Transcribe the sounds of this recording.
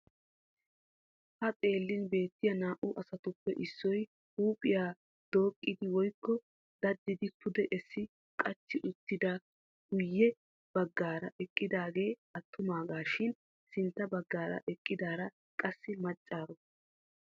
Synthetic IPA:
hɐt̪ʼe̞ːlːɪnbe̞ːt̪ːɪjɐnaːʔʊʔɐsɐt̪ʊpːɛʔɪsːɔj | huːpʼɪjaː | d̪̥o̞ːkʼːɪd̪ɪwɔjkːɔ | d̪̥ɐd̪ːɪd̪ɪpʰʊd̪ɛʔɛsːɪ | kʼɐt͡ʃːɪʔʊt̪ːɪd̪ɐ | ɡ̥ʊjːɛ | b̥ɐɡːaːɾɐʔɛkʼːɪd̪aːɡe̞ːɐt̪ʰːʊmaːɡaːʃɪn | sɪnt̪ːɐbɐɡːaːɾɐ̰ʔɛkʼːɪd̪aːɾɐ | kʼɐsːɪmɐt͡ʃʼːaːɾɔ

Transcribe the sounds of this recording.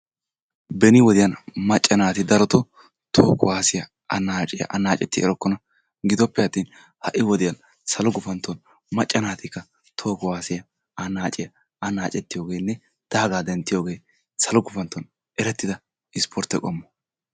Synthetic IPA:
bɛnɪwɔd̪ɪjɐnmɐt͡ʃʼːɐnaːt̪ɪd̪ɐɾɔt̪ɔ | t̪ʰoːkʊwaːsɪjɐ | ɐnaːt͡ʃʼɪjɐ̰ʔɐnaːt͡ʃʼɛt̪ːɪɛ̰ɾɔkːɔnɐ | ɡɪd̪ɔpːɛɐt̪ːiːn | hɐʔɪwɔd̪ɪjɐn | sɐlɔɡʊfɐnt̪ːɔn | mɐt͡ʃʼːɐnaːt̪ɪkːɐ | t̪ʰoːkʊwaːsɪjɐ | ɐnaːt͡ʃʼɪjɐ | ɐnaːt͡ʃʼɛt̪ːɪjo̞ːɡeːnːɛ | d̪̥aːɡaːd̪ɛnt̪ːɪjo̞ːɡe̞ː | sɐlɔɡʊfɐnt̪ːɔn | ɛɾɛt̪ːɪd̪ɐ | ɪspʰɔɾt̪ːɛkʼɔmːɔ̥

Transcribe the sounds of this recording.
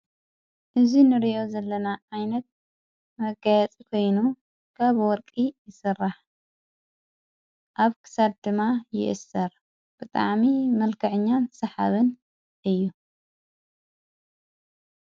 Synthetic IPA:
ʔɨzinɨɾiʔo̞zɐlːɐnaʔajnɐt̪̚ | mɐɡajɛt͡sʼikʰo̞jnu | kʰaβwɔɾkʼijɪsɨrːaħ | ʔaβkʰɨ̥sad̚d̪ɨmːajɪ̰ʔɨsːɐɾ | b̥ɨt̪ʼa̰ʕmimɐlkʰɐʕɨɲːansɐħa̰βɨn | ʔɨjːu

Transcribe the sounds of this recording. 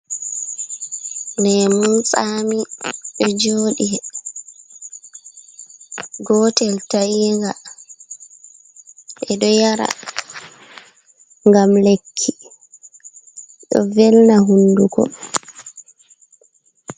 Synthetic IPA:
nɛmunsaːmiɗɔd͡ʒoːɗi | ɡɔtɛltajiŋɡa | ʔɛɗɔjaɾa̰ | ŋɡamlekʰːi | ɗɔ̰vɛlnaɦundukɔ̰

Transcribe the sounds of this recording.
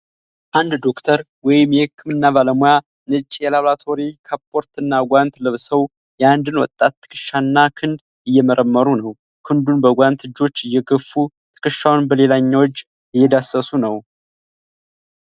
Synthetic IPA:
ʔand̪d̪o̞kt̪ʰəɾ | wɔjɪmjɛhɨkːɨmɨnːaβaləmoja | nɨt͡ʃʼːjɛlaβlat̪ʰo̞ɾikʰapʰʼo̞ɾt̪ɨnːaɡʷant̪lɨβsəw | jɛand̪ɨnwɔ̰t̪ʼːat̪ːɨ̥kʰɨʃːanːakʰɨnd̪ | ɨjːɛməɾəmːəɾunəw | kʰɨnd̪unbəɡʷant̪ɨd͡ʒo̞t͡ʃːɨjːɛɡəfːu | t̪ʰɨ̥kɨʃːawnbəle̞laɲːawot͡ʃː | ɪjːɛd̪asəsunəw

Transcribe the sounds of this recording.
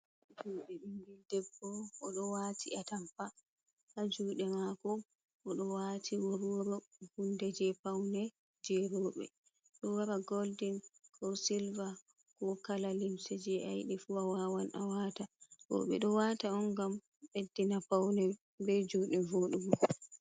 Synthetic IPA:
d͡ʒuːɗɛɓiŋɡildɛbːɔːɗɔwatiʔatampa | ʔad͡ʒuɗɛmakɔ | ʔːɗɔwatʰiwoɾoɾɔhundɛd͡ʒɛpawnɛ | d͡ʒɛɾɔːɓɛ̰ | ɗɔwaɾaɡoldinkʰɔsilva | kɔkalalimsɛd͡ʒɛʔajɗɛfuwawawanʔawatatɔ̰ɓɛ̰ɗɔwataɔnɡam | ɓedːinapawnɛ | bɛd͡ʒuɗɛvoɗumɔ

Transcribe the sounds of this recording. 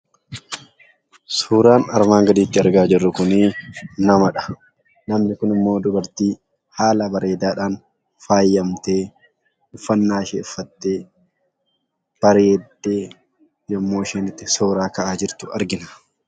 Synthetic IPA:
suːɾaːnɐɾmaːŋɡɐd̪iːt̪ːɪɐɾɡaːd͡ʒɪrːʊkʊniːnɐmɐᶑɐ̥ | nɐmnɪkʊnɪmːo̞ːd̪ʊbɐɾt̪iː | haːlɐbɐɾeːd̪aːᶑaːn | faːjːɐmt̪e̞ː | ʊfːɐnːaːʃeːɪfːɐt̪ːeː | b̥ɐɾeːd̪ːeː | jɔmːoːʃeːnɪt̪ːɪsoːɾaːkɐʔaːd͡ʒɪɾt̪ʊɐ̰ɾɡɪnɐ̥

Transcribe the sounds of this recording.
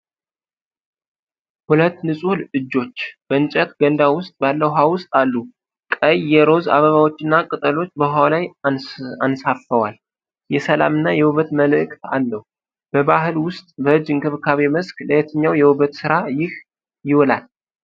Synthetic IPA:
hulət̪ːnɨsʼuhlɨd͡ʒːo̞t͡ʃːb̥əɨnt͡ʃʼɛt̪ɡənd̪awʊst̪ʼbalːəwɦawʊst̪ʼalːu | kʼəjːɛɾo̞za̰βəβawo̞t͡ʃːɪnːakʼɨt̪ʼəlo̞t͡ʃːbəɦawlaj | ansafəwal | jɛsəla̰mɨnːajɛwuβət̪məlɨkʼt̪a̰lːəh | b̥əβaɦɨlwʊst̪ʼbəɨd͡ʒːɨŋkʰɨβkʰaβe̞məskləjɛt̪ʰəɲːawjɛwuβət̪sɨɾajɪh | jɪwɔla̰l

